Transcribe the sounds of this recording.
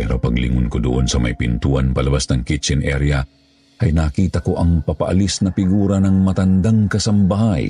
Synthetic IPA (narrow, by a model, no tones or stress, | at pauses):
pɛɾopɐɡlḭŋʊnkod̪ʊʔonsɐma̰jpɪnt̪uːanpɐlɐbasnɐŋkit͡ʃɛnʔɛɾja | hɐjnakiːt̪ɐkoʔɐŋpɐpaʔa̰lisnɐfpɪɡuːɾanɐŋmɐt̪and̪aŋkɐsɐmbaɦaj